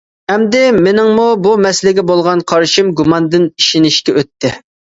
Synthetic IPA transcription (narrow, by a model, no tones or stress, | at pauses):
ɛmd̪ɪmɪnɪŋmubumɛslɪɡʲɛbolˠʁɑnqʰɑɾʃimɡumɑnd̪ɪniʃinɪʃkʲɛøt̪ʰːɪ